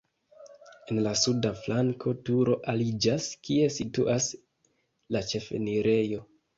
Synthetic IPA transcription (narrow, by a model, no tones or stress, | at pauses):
e̞nlasudaflaŋkʰo̞tuɾo̞ʔalid͡ʒaskie̞situʔas | lat͡ʃe̞fḛniɾe̞jo̞